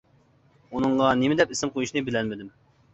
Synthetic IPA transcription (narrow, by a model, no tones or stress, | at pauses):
unɨɴʁɑnemɪd̪ɛpesɪmqʰojuʃnɨbɪlɛnmɪd̪ɪm